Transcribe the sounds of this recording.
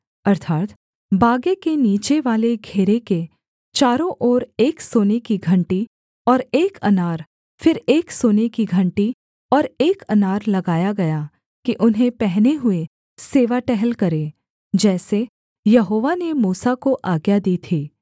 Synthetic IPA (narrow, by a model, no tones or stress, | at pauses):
ɐɾt̪ʰaːt̪ | baːɡekeniːt͡ʃeʋaːleɡʱeːɾeke | t͡ʃaːɾõʔɔːɾeːksoːnekiɡʱɐ̃ɳʈi | ɔːɾeːkɐnaːɾ | fɪɾeːksoːnekiɡʱɐ̃ɳʈi | ɔːɾeːkɐnaːɾlɐɡaːjaɡɐja | kiʔʊnɦẽpɛɦneɦʊe | seːʋaʈɛɦɛlkɐɾe | d͡ʒɛːse | jɐɦoːʋanemuːsakoʔaːɡjad̪iːt̪ʰiː